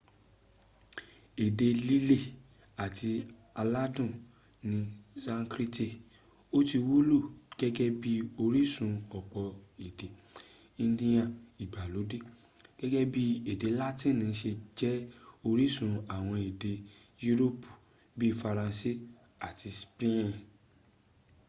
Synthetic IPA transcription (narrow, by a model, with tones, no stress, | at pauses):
e˨de˧li˦le˦˨ | a˨tʰi˧ | a˧la˦dũ˦˨ | nĩ˧sã˦˧ŋkɾi˦ti˦˨ | o˦ti˧wo˦lo˦˨ɡ̥ɛ˦ɡɛ˦bi˦o˧ɾi˦sũ˧ɔ˨k͡pɔ˨i˨de˨ | ĩ˧dĩ˧jã˧i˨ɡ͡ba˨lo˨˦de˦ | ɡ̥ɛ˦ɡɛ˦bi˦e˨de˨˦la˦tĩ˦˨nĩ˨˦ʃe˧d͡ʒɛ˦o˧ɾi˦sũ˧a˨w̃ɔ̃˧i˨de˧ju˦ɾo˦pu̥˨ | bi˦˨fa˧ɾã˧si˦˨ | a˨tʰi˧spẽ˦˨